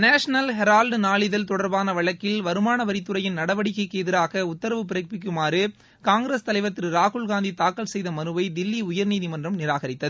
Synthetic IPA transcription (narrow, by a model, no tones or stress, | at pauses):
naːʂɐnɐlɦɛɾaːlɖnaːɭɪðɐlt̪ɔɽɐɾbaːnɐʋɐɭɐkːɪlʋɐɾɯmaːnɐʋɐɾɪt̪ːɯɾɐjɪnnɐɽɐʋɐɽɪkːɐɪkːeːðɪɾaːɣɐʊt̪ːɐɾɐʋɯpɪɾɐk̚pɪk̬ːɯmaːɾɯ | kaːŋɡɾest̪ɐlɐɪʋɐt̪ːɪɾɾaːɣʊɭɣaːnd̪it̪aːkːɐlsɛjðɐmɐnɯʋɐɪd̪ɪlːiʊjɐɾniːðimɐndrɐmnɪɾaːɣɐɾɪt̪ːɐð